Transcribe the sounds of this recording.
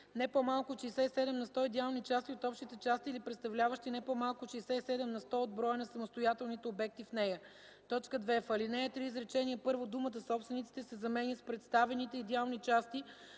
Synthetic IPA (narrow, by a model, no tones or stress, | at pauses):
nɛpomalˠkʊʃɛsɛisɛd̪ɛmnɐst̪ɔid̪ʲɛalˠnit͡ʃast̪iot̪ɔpʃt̪it̪ɛt͡ʃast̪iːlipɾɛt̪st̪ɐvlʲavəʃt̪inɛpomalˠkʊʃɛːsɛisɛd̪ɛmnɐst̪ɔod̪̚bɾɔjənɐsɐmost̪ojat̪ɛlˠnit̪ɛobɛk̚t̪ifnɛjə | t̪ɔt͡ʃkəd̪vɛfəlinɛjət̪ɾiːzɾɛt͡ʃɛniəpɤɾvod̪umət̪əsɔpst̪vɛnit̪si̥t̪ɛsɛzɐmɛnʲəspɾɛt̪st̪avɛnit̪ɛid̪ɛalˠnit͡ʃast̪i